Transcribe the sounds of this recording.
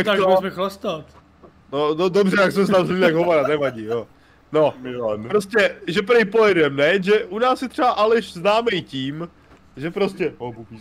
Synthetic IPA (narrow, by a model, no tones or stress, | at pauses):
jakt̪aɡ̪oɪbɪxlast̪at̪ | nododobrɛjaksɛms̬ɛt̪amzmiɲɛaɡɦomaɾanɛvaɟijo | no̞ɪlanpɾoscɛʒɛpɾɛjpojɛdɛmnɛjʒɛʔunaːsjɛt̪r̥ɛbaʔalɪʃznaːmɛjciːm | ʒɛpɾoscɛopupi